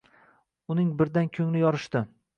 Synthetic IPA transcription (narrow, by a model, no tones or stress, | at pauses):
ʊnɪŋbɪɾd̪ankʲʰɵŋlɪjɒɾɪʃt̪ɪ